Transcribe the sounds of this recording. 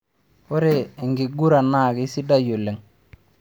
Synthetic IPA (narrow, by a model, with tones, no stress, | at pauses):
o˦ɾe˨ŋɡi˨ɡu˦ɾa˨na˦˨kːsi˦da˦jo˨le˨ŋ